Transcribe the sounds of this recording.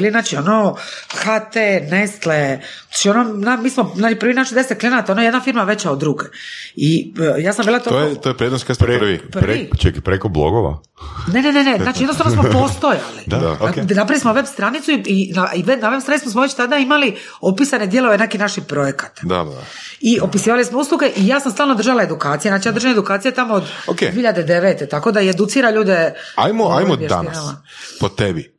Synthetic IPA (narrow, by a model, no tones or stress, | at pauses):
ilinaːt͡ʃionoxat̪enest̪le | aːt͡ʃiononamiːsmonaːt͡ʃipɾrʋinaʃid̪eseklinat̪onojed̪nafiɾmaʋe̞t͡ɕaod̪ːɾuɡeijaːsambilat̪oojet̪ojepɾed̪noskesp̪ɾʋipɾit͡ʃekipɾekoblo̰ɡoʋa̰ | nenenenezat͡ʃijenost̪aʋnosmopost̪oja̰liaa̰anapɾaʋlismoʋebst̪ɾanit̪suiinaiʋebnaʋe̞bsanismosmoʋet͡ɕt̪ad̪aimali | opisane̞d̪je̞lˠo̞ʋe̞nekinaʃipɾo̞jekḁt̪d̪a̰ | iopisiːʋalismouslˠuɡe̞ʔijaːsamst̪aːlnod̪r̩ʒalae̞d̪ukaːt̪sijenaːt͡ʃijad̪ɾrʒaned̪ukaːt̪sijet̪amood̪okeieçiʎːad̪ed̪eʋeːt̪et̪ako̞d̪aied̪ut̪siːɾaʎuːd̪ea̰jmoajmojeʃa̰ninama | pot̪ebi